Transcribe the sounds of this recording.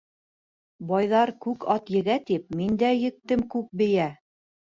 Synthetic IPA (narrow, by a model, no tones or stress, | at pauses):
bɑjðɑɾkʉkɑt̪jɘ̆ɡæt̪ip̚mind̪æjɘ̆k̚t̪ɘmkʉk̚bɘ̆jæ